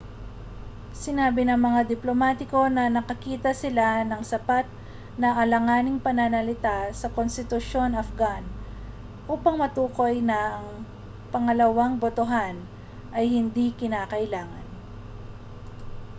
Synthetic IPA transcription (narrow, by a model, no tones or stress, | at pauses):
sɪnaːbɪnɐŋmɐŋad̪ɪplomaːt̪ɪko̞nɐnɐkɐkiːt̪ɐsɪlanɐŋsɐpat̪̚ | nɐʔɐlɐŋaːnɪŋpɐnanɐlɪt̪asɐkonst̪ɪt̪ʊʃo̞nɐfɡan | ʔuːpɐŋmɐt̪uːko̞jnɐːŋ | pɐŋɐlɐwaŋbot̪oɦan | ʔɐjhɪnd̪ikɪnaːkɐʔɪlaːŋɐn